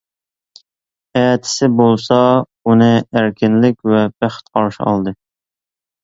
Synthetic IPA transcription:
ɛːt̪ʰɪ̥sɪbolˠsɑ | unɨæɾkʲɪnlɪkʲvɛbæχt̪̚qʰɑɾʃɪ̰ɑ̰lˠd̪ɨ

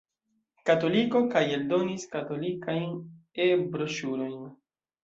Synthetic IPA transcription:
kato̞liko̞kajeldo̞niskato̞likajn | ebɾo̞ʃuɾo̞jn

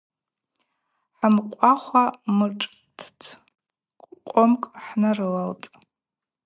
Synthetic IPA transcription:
ħamqʷʼaχʷamɨʈ͡ʂʼ | tʰtʰ | kʷʼqʷʼomkʼħnarɨlaltʼ

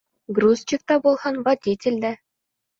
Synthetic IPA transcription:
ɡrust͡ɕik̚t̪ɑbulˠhɑnvɐdʲitʲɪ̆lʲd̪æ

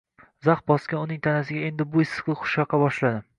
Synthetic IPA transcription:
zɑχbɒskʲanʊnɪŋt̪ʰanasɪɡʲae̞nd̪ɪbʊɪsːɨ̥qlˠɨχʰʊ̥ʃɑqʰːɑbɒʃlad̪ɪ

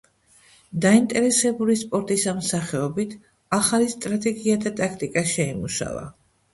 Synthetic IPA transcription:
d̪aint̪ʼɛɾɛsɛbulispʼɔɾt̪ʼisamsaχɛɔbit̪ʰ | aχalist̪ʼɾat̪ʼɛɡiad̪at̪ʼakʰt̪ʼikʼaʃɛimuʃa̰va̰

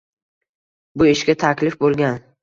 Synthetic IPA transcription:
bʊɪʃɡʲat̪ʰakʲlɪfbolˠɡʲan

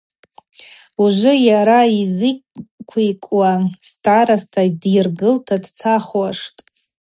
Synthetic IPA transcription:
uʒʷʊjaɾaizɨkkʷʰijkʷʼwastʰʼaɾastʰadirɡɨltʰadt͡sʰaχwaʂtʼ

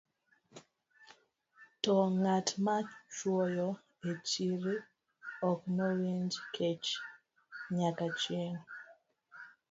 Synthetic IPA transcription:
tɔŋatmat͡ʃwɔjɔ | et͡ʃiɾi | ɔknɔwend͡ʒkʰet͡ʃ | ɲakat͡ʃjeŋ

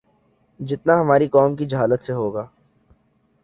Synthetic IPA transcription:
d͡ʒɪt̪naɦɐmaːɾikɔːmkid͡ʒɐɦaːlət̪seɦoːɡaː

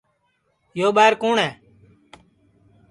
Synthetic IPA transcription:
joːɓaːɪɾkoːɳɛː

